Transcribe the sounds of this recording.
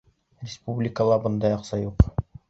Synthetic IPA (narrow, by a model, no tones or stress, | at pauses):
rʲɪspublʲɪkəlˠɑbɤ̆nd̪ɑjɑqsɑjuq